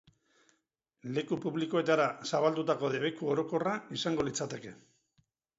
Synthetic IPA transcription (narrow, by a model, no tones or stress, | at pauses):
le̞kupuβliko̞e̞t̪aɾasaβald̪ut̪ako̞ðe̞βe̞kuo̞ɾo̞ko̞raisaŋɡo̞lit͡sat̪e̞ke̞